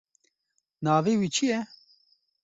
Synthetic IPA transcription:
naːveːwiːt͡ʃʰijɛ

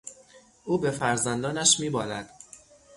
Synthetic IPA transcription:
ʔuːbe̞fæɾzænd̪ɒːnæʃmiːbɒːlæd̪̥

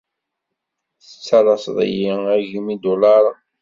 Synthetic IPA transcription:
θət͡sːɑlˤɑsðˤə̰jiæʝimid̪olɑɾˤ

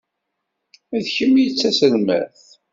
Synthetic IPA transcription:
æðçəmjət͡sːæsəlmæ̰θ

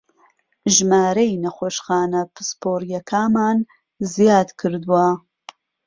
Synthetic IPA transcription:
ʒmaːɾɐjnɐχoːʃxaːnɐpʰɨ̥spoːɾjɐkʰaːmaːn | zjaːd̪kʰɨɾd̪uwɐ

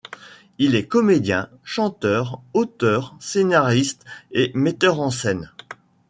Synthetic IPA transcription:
ilɛkɔmed̪jɛ̰̃ | ʃɑ̃t̪œːʁot̪œʁsenaʁist̪emet̪œʁɑ̃sɛn

